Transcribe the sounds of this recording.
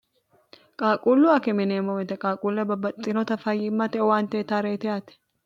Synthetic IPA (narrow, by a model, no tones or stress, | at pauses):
kʼaːkʼuːlːʊɐkɛmɪneːmɔmɛt̪ɛkʼaːkʼuːlːɐbɐbɐt̪ʼːɪnɔt̪ɐfɐjɪmːɐt̪ɛɔwaːnt̪eːt̪aɾeːt̪ɛjaːt̪ɛ̥